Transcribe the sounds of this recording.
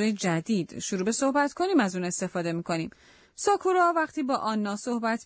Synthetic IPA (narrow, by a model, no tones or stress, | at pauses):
ojed͡ʒæd̪iːd̪̥ʃuɾuːbe̞so̞hbæt̪kʰo̞niːmæzuːne̞st̪e̞fɒːd̪e̞miːkʰo̞niːm | sɒːkʰuɾɒvæχt̪ʰiːbɒːʔɒːnːɒːso̞hbæt̪ʰ